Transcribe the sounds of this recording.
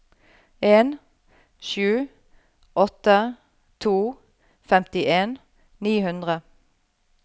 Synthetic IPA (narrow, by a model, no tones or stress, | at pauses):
eːn | ʃʉː | ʔɔt̪ə | t̪ʰuː | fɛmt̪ɪʔeːn | niːhʉnd̪ʁə